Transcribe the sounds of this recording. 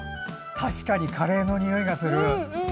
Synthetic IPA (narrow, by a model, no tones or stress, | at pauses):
t̪ʰaɕi̥kaɲ̟ikʰaɾe̞ːno̞ɲ̟ʲio̞iɡasɨɾɯ̟